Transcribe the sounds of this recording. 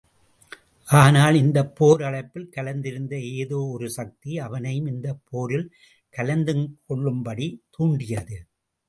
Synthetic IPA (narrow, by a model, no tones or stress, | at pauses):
ʔaːnaːlɪnd̪ɐpːoːɾɐɭɐɪpːɪlkɐlɐnd̪ɪɾɯnd̪ɐeːðoːɔɾɯsɐk̚t̪iɐʋɐnɐjɯmɪnd̪ɐpʰːoːɾɪl | kɐlɐnd̪ɯkɔɭːɯmbɐɽit̪uːɳɖɪjɐðɯ